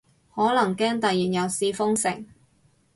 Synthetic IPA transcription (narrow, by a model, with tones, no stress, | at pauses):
hɔː˨˥lɐ˨˩ŋkɛː˥ŋt̪ɐ˨jiː˨˩njɐ˨˧wsiː˧fʊ˥ŋsɪ̰˨˩ŋ